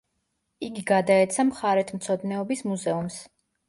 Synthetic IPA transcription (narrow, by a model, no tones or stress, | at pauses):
iɡiɡad̪aɛt̪sʰamχaɾɛt̪ʰmt̪sʰɔd̪nɛɔbismuzɛums